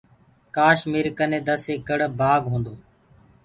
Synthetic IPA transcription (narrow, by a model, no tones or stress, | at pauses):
kaːʃmiːɾkənẽːd̪əseːkəɽbaːɡɦõːnd̪oː